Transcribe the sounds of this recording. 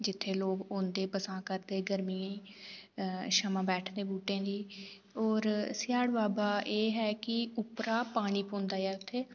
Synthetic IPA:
d͡ʒɪt̪ʰːeːloːkõːnd̪eːpəsãːkəɾd̪eːɡəɾmiːãːiː | ʃəmãːbɛːʈʰd̪eːbuːʈẽːd̪iː | ɔːɾsɪjaːɽbaːbaːʔeːɦɛːkɪʊpɾaːpaːɽ̃iːpõːnd̪aːɛːʊt̪ʰːeː

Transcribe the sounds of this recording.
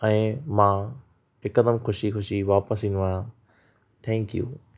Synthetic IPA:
ɛ̃ːmãː | ɪkəd̪əmxʊʃixʊʃiʋaːpəsĩːnd̪ʋaːj̃ã | t̪ʰɛ̃ːŋkjṵː

